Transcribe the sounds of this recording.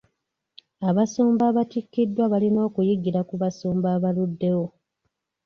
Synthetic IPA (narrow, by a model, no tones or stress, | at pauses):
aβasuːmbaːβatikːidːwaβalino̞ːkujiɡiɾakuβasuːmbaːβaludːe̞wo̞